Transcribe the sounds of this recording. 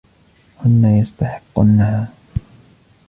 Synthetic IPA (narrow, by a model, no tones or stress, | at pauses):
hʊnːajast̪aħɪqːʊ̰nːahaː